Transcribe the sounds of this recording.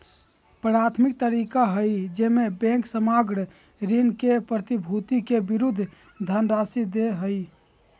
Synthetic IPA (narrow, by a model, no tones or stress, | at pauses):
pɾat̪ʰmik̚t̪əɾikaɦəjd͡ʒemebɛ̃ŋksəmaɡɽ | ɾinkepɾət̪ibʱut̪ikebiɾud̪ʱː | d̪ʱənɾasid̪eɦəj